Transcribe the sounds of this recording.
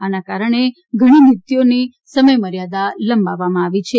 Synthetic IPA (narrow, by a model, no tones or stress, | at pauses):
anakaɾəɳ̃e | ɡʱəɽ̃init̪joni | səməjməɾjad̪aləmbaʋamãaʋit͡ʃʰe